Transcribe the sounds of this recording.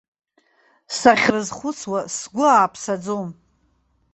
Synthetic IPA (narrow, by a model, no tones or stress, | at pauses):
saχʲrɨzχʷʊt͡sʰwasɡʷʊaːpʰsad͡zom